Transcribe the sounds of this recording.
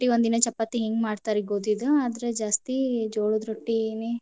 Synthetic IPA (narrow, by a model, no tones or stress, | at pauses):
ʈːiond̪inɐt͡ʃɐpːat̪ːeɦeːŋɡmaːɖt̪aːɾiɡoːd̪id̪uaːd̪ɐɾed͡ʒaːst̪id͡ʒoːɭud̪ɾoʈːineː